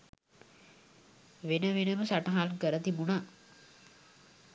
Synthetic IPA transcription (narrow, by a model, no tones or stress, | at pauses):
ʋenəʋenəməsaʈɐɦalkəɾət̪ibuna